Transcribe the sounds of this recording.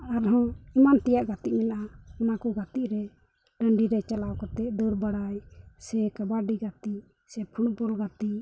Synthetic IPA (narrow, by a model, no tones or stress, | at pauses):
aɾɦɔ̃imant̪ɛjaʔɡat̪iʔ̚mɛnʔaɔnakɔɡat̪iʔɾɛ | ɖəɳɖiɾɛt͡ʃalawkɔt̪ɛd̪ɔɾbaɽajsɛkabaɖiɡat̪i | sɛpʰuʈ̚bɔlɡat̪iʔ